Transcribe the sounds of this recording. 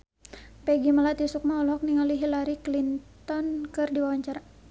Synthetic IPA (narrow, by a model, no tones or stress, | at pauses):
pɛɡimalat̪isuk̚maɔlɦɔk̚niŋaliɦilaɾiklintt̪ɔnkɨrdiwawaɲt͡ʃaɾa